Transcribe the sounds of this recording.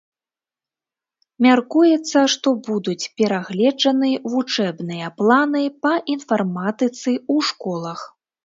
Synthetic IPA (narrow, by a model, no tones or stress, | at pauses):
mʲarkujɛt̪sːɐʂt̪ɔbud̪ut͡sʲpʲɛɾaɣlʲɛd͡ʐɐnɨvut͡ʂɛbnɨjɐplˠanɨpɐʔinfarmat̪ɨt̪sɨuʂkɔlˠɐx